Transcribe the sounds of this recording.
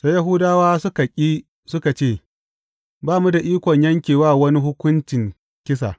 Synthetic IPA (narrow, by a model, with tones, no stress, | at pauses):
sa˦jɐ˦ɦʊ˦daː˦waː˦sʊ˦ka˨kʲʼiː˦ | sʊ˦ka˨t͡ʃeː˦˨ | baː˦mu˦da˨ʔiː˦kʷɔ˨ɲjɐ˦ŋkʲeː˨waː˦˨wɐ˦ni˦ɦʊ˦kʷʊ˦nt͡ʃɪ˨ŋ | kʲɪ˦sa̰˨